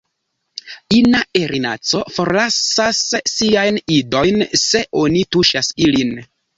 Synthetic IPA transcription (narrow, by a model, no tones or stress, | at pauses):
inae̞ɾina̰t͡so̞fo̞ɾlasasːiajnido̞jnse̞ʔo̞nituʃasilin